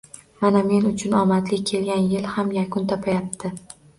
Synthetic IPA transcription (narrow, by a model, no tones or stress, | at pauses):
maname̞nʊt͡ʃʰʊnɒmat̪lɪkʲʰe̞lɡʲanjɪlhamjakʰʊnt̪ʰɒpʰajap̚t̪ʰɪ